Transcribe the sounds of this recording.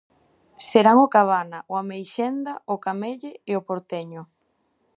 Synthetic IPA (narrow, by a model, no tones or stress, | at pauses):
seɾaŋokaβ̞anaʔʊamejʃend̪aʊkameʎɪːopoɾt̪eɲʊ